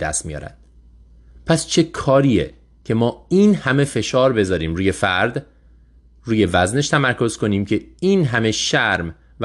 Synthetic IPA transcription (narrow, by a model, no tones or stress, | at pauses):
d̪æ̰st̪mijɒ̰ːɾæ̰nd̪̥ | pʰæst͡ʃʰe̞kʰɒːɾiːḛ | cʰe̞mɒːiːnhæme̞fe̞ʃɒːɾbe̞zɒːɾiːmɾuːje̞fæɾd̪ | ruːje̞væzne̞ʃt̪ʰæmæɾkʰo̞z̥kʰo̞niːmcʰe̞iːnɦæme̞ʃæɾm | v